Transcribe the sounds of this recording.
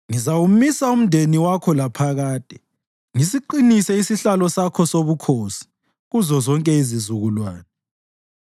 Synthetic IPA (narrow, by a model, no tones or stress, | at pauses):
ŋizawumisaum̩ndʱeniwakʰɔlapʰaɣaːd̥ʱʼɛ | ŋisiǃinisɛisiɬalɔsakʰɔsoβukʰoːsi̥ | ɣuzɔzɔŋkʼɛizizuɣulwaːnɛ